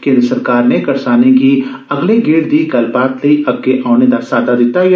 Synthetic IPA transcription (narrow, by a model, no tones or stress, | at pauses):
kẽːnd̪ɾəsɐɾkaːɾnekɐɾsaːneki | ɐɡleɡeːɽd̪iɡɐlbaːt̪lɐiʔɐb̚keʔaːʊned̪asaːd̪ad̪ɪt̪aj